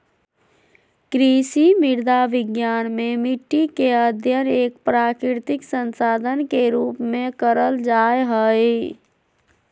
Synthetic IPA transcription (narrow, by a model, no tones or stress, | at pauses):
kɾisimɪɾd̪ʱaʋɪɡjaːnmẽmɪʈːikeəd̪ʱjəneːkpɾaːkɾɪɾt̪ɪksənsaːd̪ʱənkeɾuːpmẽkəɾəld͡ʒaːjɦəj